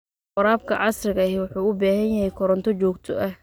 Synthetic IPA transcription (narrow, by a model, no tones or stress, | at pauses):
qʊɾaːb̚kʰɐʕɑsrɪɣɐɦɛwʊħuːʊbaːɦɐnjɐhɛjkʰɔɾɐnt̪ʰɔt͡ʃɔːkt̪ʰɔʔɐh